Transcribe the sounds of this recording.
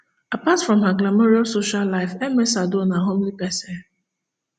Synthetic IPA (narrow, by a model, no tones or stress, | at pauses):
apatfɹɔ̃mɦaɡlamoɾiasoʃallːaɪfɛmesadonaɦomlikɛsɛ